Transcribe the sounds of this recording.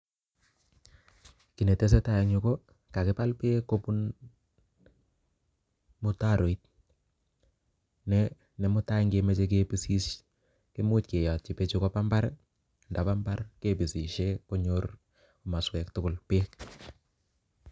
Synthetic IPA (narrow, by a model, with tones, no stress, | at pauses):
ki˨ne˨te˦s̬e˦ta˦je˨ŋu˨ko˦ | ka˨kɪ˦pa˦lpe˦ko˦pu˦n | mʊ˦taɾo˨it̚ | nɛ | ne˨mʊ˦ta˦ŋɡemet͡ʃe˦k̬e˦pi˦si˦ʃ | ki˦mu˦tke˨ja˨t̚t͡ʃi˨pe˦t͡ʃukopamba˦ɾ | nda˨pambaɾkepi˨si˨ʃeko˦ɲoɾ | uma˨swɛk̚tʊ˦kʊ˨lpek